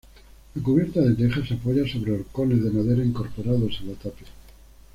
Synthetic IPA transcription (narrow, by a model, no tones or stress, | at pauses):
lakuβje̞ɾt̪aðet̪exasapo̞ʝaso̞βɾeoɾko̞ne̞zðe̞maðe̞ɾaiŋko̞ɾpo̞ɾaðo̞senat̪ape